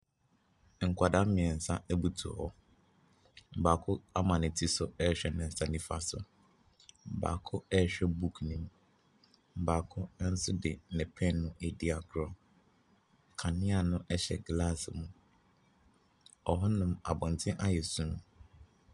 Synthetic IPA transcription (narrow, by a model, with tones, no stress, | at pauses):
ŋ̩˨kʰʷa˨da˦mɪ̃˨ɛ˨n̩˨sa̰˦ɛ˦bu˦tʰu˨ɔ̰˨hɔ˦ | m̩˨baː˨kʰʊ˦a˦mã˨nɪ̃˨tʰi˦sʊ˦ɛ˦˨ɕᶣɛ˦˨nɛ̃˨n̩˨sa˦nĩ˦fa̰˦sʊ̰˨ | m̩˨ba̰˨kʰʊ˦ɛ˦˨ɕᶣɛ˦bu˦kʰnĩ˨m | m̩˨baː˨kʰʊ˦n̩˦sʊ˦dɪ˨nɛ̃˨pʰɛ̃˦nnʊ̃˦ʔe˦di˦a˨ɡʰɾɔ˨ | kʰa˨nɪ̃˦a˨nʊ̃˦ʔɛ˦ɕɛ̰˨ɡla˦smũ˨ | ɔ˨ɦɔ˦nʊ̃˦ma̰˨bɔ̃˨n̩˨tʰɪ̃˦ʔa˦jɛ˨sũ˦nʊ̃˦